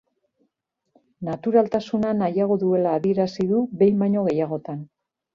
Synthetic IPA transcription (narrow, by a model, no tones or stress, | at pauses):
nat̪uɾalt̪asunanajaɣ̞o̞ðue̞laːβie̞ɾasiðuβe̞jmaɲo̞ɣ̞e̞jaɣ̞o̞t̪an